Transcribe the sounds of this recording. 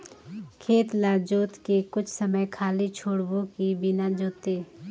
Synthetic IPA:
kʰeːt̪laːd͡ʒuːt̪kekʊt͡ʃʰsəməjkʰaːlit͡ʃʰoːɽbõkibɪnad͡ʒoːt̪eː

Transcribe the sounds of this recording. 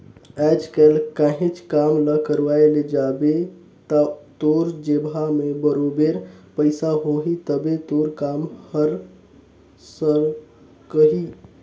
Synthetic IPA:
ɛːd͡ʒkɛːlkaːɦẽt͡ʃkaːmləkəɾʋaːeled͡ʒaːbe | t̪at̪oːɾd͡ʒebʱamẽbəɾoːbeɾpəɪsaɦoːɦit̪əbet̪oːɾkaːmhəɾ | səɾ | kəɦi

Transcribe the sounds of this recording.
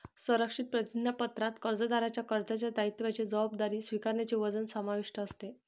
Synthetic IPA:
səɾəkʂit̪̚pɾət̪inːəpət̪ɾat̪kəɾd͡zəd̪aɾat͡ɕjakəɾd͡zat͡ɕjad̪ait̪ːʋjat͡ɕed͡zəʋabd̪aɾiːsʋikaɾɳjat͡ɕeʋəd͡zənsəmaʋiʂʈəːst̪e

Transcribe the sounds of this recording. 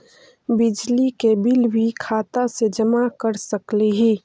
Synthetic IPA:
bɪd͡ʒlikebɪlwikʰaːt̪ased͡ʒəmakəɾsəkleɦi

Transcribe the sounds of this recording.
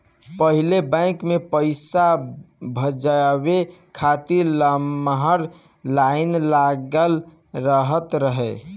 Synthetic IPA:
pəɦilebə̃ɪ̃kmepəɪsabʱəd͡ʒbekʰat̪iɾləmɦəɾ | lainlaɡəl | ɾəɦət̪ɾəɦɛ

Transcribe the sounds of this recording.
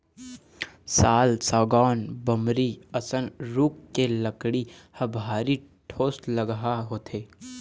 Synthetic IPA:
saːlsaːɡɔːnbəmɾiɐsənɾuːkːeləkɽihɐbʱaːɾi | ʈʰoːsləɡɦaɦoːt̪ʰeː

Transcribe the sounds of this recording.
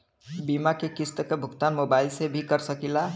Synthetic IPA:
bimakekist̪əkebʱʊɡt̪anmobailsebʱikəɾsəkila

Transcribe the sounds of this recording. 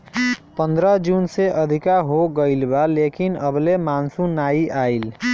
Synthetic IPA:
pə̃nd̪ɾəd͡ʒunseʔəd̪ʱikaɦoɡəilbalekinəblemansunaiʔail

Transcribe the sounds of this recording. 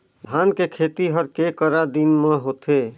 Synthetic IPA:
b̪ʱankekʰet̪iɦəɾkekəɾad̪inmeɦot̪e

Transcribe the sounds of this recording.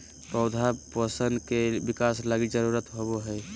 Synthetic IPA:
pəʊd̪ʱapəsənd̪kebikaslaɡid͡ʒəɾuɾət̪ɦoβoɦəj

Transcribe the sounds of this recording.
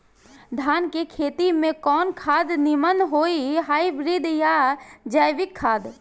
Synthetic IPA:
d̪ʱaːnkekʰeːt̪imẽkɔːnkʰaːd̪nɪmənɦoːiɦaːibɾid̪jad͡ʒəjʋɪkʰːaːd̪

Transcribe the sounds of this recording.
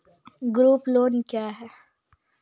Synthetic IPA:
ɡɾuːploːnkjaːɦɛː

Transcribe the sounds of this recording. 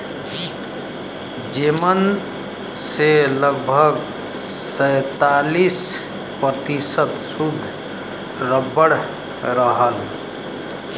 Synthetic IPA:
d͡ʒemən | seləɡ̚bʱəɡ | səjt̪alis | pɾət̪isət̪sud̪ʱː | ɾəbəɽ | ɾəɦəl

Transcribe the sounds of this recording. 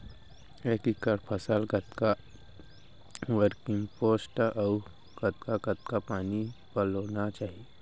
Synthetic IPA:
ekikəɾpʰəsəlɡət̪ka | wəɾkɪ̃ŋɡpoːsʈʔɔʊ | ɡ̥ət̪kaɡət̪kapaːnibəloːnat͡ʃaːɦie

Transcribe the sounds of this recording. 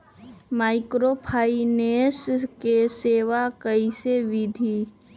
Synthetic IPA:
maːɪkɾopʰaːineːskeseːʋakəiseʋɪd̪ʱi

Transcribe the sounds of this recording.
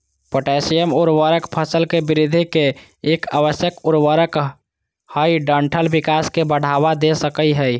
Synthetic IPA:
poʈɛsijəmuɾʋəɾəkpʰəsəlkebiɾid̪ʱikeː | ka̰bəsjəkuɾwəɾək | həjɖəɳʈʰəlbikaskebəɽ̤aʋad̪esəkəiɦəj

